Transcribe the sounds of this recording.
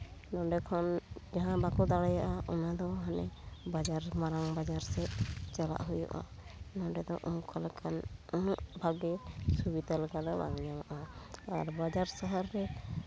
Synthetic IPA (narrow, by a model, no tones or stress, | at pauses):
nɔɖɛkʰɔnd͡ʒaɦãbakɔd̪aɽɛjaʔaʔɔnad̪ɔɦanɛbad͡ʒaɾmaɾaŋbad͡ʒaɾsɛt͡ʃɛla̰ʔɦujṵʔa̰nɔ̃ɖɛd̪ɔ̰ʔɔmkɔlɛkʰanɔnaʔbʱaɡɛsubid̪aləɡad̪ɔba̰ŋɲamaʔaːɾbad͡ʒaɾsəɦaɾːɛ